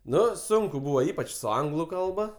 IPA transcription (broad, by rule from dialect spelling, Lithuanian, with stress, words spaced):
ˈnʊ ˈsʊŋkʊ ˈbuːʋoː ˈiːpɐt͡ʃ sʊ ˈɐŋɡlˠʊ ˈkɐlˠbɐ